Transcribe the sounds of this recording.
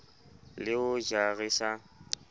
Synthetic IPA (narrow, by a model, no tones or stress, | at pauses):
lɪʊd͡ʒaɣisa